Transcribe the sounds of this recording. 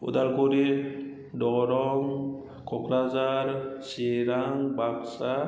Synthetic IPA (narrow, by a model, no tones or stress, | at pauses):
ṵdalkoɾi | dɔɾɔŋ | kʰɔkɾazaɾsiɾaŋbaksa